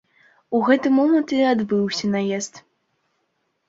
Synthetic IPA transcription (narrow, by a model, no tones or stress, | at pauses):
uɣɛt̪ɨmɔmɐnt̪ɨad̪bɨwsʲɐnajɛst̪